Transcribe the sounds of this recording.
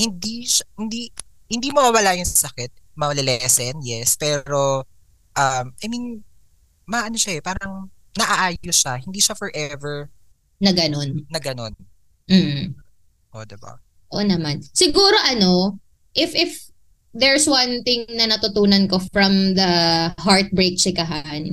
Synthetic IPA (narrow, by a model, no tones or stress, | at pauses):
hɪnd̪iʃahɪnd̪i | hɪnd̪iːmoɐwɐlaːjʊŋsɐsɐkɪt̪̚mɐlɛlɛsɛnjɛspɛːɾo̞ | ʔɐmʔɐjmin | mɐʔɐnoʃaɛpaːɾɐŋ | nɐʔɐʔaːjoʃahɪnd̪iːʃafɛɹʔɛvɛɹ | nɐɡɐno̞nːɐɡɐno̞n | m̩ːh̩ | ʔod̪ɛba̰ | ʔo̰nɐmansɪɡuːɾo̞ʔɐno̞ | ʔɪfʔɪf | d̪ɛɹswɐnt̪ɪŋnɐnɐt̪ʊt̪uːnɐnko̞fɹɐmðɐɦaɹt̪̚bɹejk̚t͡ʃɪkɐɦan